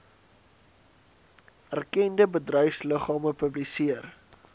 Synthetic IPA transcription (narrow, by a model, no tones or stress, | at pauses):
ærkɛndəbədrœjfsləχɑːməpəblisiər